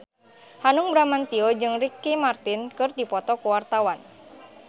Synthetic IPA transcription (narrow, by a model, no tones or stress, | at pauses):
hanuŋbɾamant̪iɔd͡ʒɨŋrikːimart̪inkɨrdipɔt̪ɔkuwart̪awan